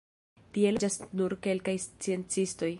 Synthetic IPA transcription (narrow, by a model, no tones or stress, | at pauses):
tie̞ld͡ʒasnuɾke̞lkajst͡sie̞nt͡sisto̞j